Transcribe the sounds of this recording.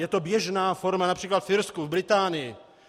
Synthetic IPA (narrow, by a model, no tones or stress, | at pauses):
jɛt̪o̞bjɛʒnaːfoɾmanapr̥iːklat̪fɪɾskuvbɾɪt̪aːnɪjɪ